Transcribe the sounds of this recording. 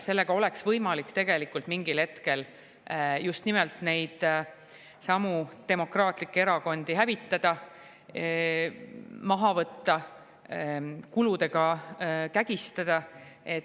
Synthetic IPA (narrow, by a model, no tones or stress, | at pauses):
se̞lːe̞ɡ̥ɑo̞le̞ksvɤjmɑlikːt̪e̞ɡ̥e̞likːˑult̪miŋɡilhe̞t̪ke̞l | just̪nimelt̪ne̞jd̪̥ | sɑmut̪e̞mo̞krɑːt̪ˑlikːee̞ɾɑko̞nd̪̥iɦævit̪ːɑd̪̥ɑ | mɑɦɑvɤt̪ːɑ | kulud̪̥e̞ɡ̥ɑkæɡ̥ist̪ɑd̪̥ɑe̞t̪